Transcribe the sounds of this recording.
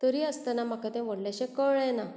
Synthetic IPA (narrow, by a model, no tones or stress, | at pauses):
t̪əɾiəst̪ənam̤akat̪ɛ̃ʋəɽljaɕɛ̃kəɭɛna